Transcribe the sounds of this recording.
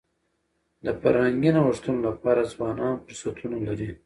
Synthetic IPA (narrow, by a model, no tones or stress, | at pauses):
d̪əfa̰ɾhaŋɡinawaʂt̪unolapɑɾazwɑnɑnpsat̪ʰunalaɾi